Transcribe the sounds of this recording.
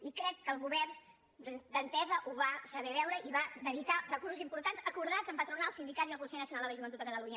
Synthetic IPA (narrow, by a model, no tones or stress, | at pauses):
ikɾɛkːəːlˠɣuβɛrn | d̪d̪ənt̪ɛzəʔuβasəβɛβ̞ɛwɾəʔiβad̪əðikarəkuɾsuzimpuɾt̪anzəkuɾð̞ad͡zzəmpət̪ɾunalˠsind̪ikadziðəlkunsɛjnəsiunalˠələʒuβənut̪əkət̪əluɲə